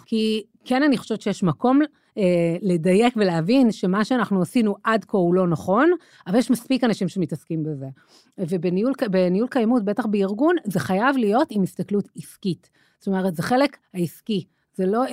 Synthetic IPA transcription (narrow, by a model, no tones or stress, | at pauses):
ki | kenaniχo̥ʃevet̪t͡ʃejeʃmako̞m | ele̞daje̞kveleavinʃe̞maʃeanaχnuasinuʔadkoulo̞naχo̞n | avaljeʃmaspikanaʃimʃemitɐskimbeze̞ | vebeniulbenijulkajamut̚be̞taχbeiʁɡunzeχajavlijo̞timist̪aklutiskit | sto̞me̞ʁetzeχe̞lekhaiski | zelo̞